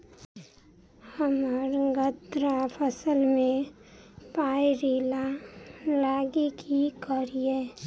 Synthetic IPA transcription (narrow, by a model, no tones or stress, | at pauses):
həməɾɡət̪ɾapʰəsəlmẽ | paːiɾiːla | laːɡikʰikəɾieː